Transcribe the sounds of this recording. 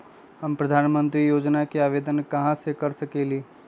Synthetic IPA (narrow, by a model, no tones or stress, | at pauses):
ɦəmpɾəd̪ʱanmənt̪ɾijod͡ʒnakeabed̪ənkəɦãsekəɾsəkeli